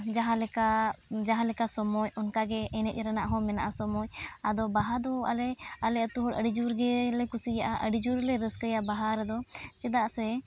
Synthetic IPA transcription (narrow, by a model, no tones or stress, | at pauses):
d͡ʒaɦãlɛkad͡ʒaɦãlɛkasɔmɔjɔnkaɡɛɛnɛt̪̚ˀɛɾanaʔɦɔ̃mɛna̰ʔasɔmɔjad̪ɔbaɦad̪ɔa̰lɛalɛət̪uɦɔɽəɽid͡ʒuɾɡɛlɛkusijaʔaʔəɽid͡ʒuɾlɛɾəskəjabaɦaɾɛd̪ɔt͡ʃɛd̪aʔsɛ